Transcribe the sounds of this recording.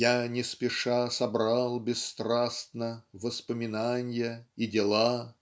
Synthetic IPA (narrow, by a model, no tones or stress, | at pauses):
janʲɪspʲɪʂasɐbɾɑlˠbʲɪsːt̪ɾasnəvəspəmʲɪnanʲjəidʲɪlˠa